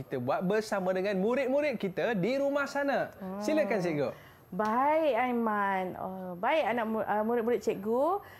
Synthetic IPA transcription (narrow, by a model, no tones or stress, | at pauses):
it̪əbuat̪̚bərsamãdəŋãnmuɾɪt̪̚muɾɪt̪̚kit̪ədiɾumahsanasiləkansɛʔɡo | baiʔajmãnɔ̰baɪʔanaʔməmuɾɪt̪̚muɾɪt̪̚t͡ʃɛʔɡo